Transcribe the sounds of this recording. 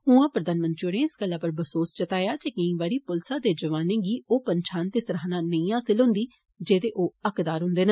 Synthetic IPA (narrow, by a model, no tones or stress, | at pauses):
ɦʊ̃ãːpɾəd̪aːnmə̃nt̪ɾioːneːɪsɡəlːãːpəɾbəsoːst͡ʃət̪aːjaːd͡ʒeːkɪĩːʋaːɾiːpʊlsãːd̪eːd͡ʒəʋaːnẽːɡiːoːpənt͡ʃʰaːnt̪eːsɾaːnãːnəĩːɦaːsɪlɦʊ̃nd̪iː | d͡ʒeːd̪eːʔoːəkd̪aːɾɦʊ̃nd̪eːnə